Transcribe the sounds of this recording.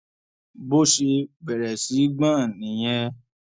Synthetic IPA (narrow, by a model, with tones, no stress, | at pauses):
bo˦ʃe˧ɡ͡bɛ˨ɾɛ˨si˨˦ɡ͡bã˦˨nĩ˨j̃ɛ̃˧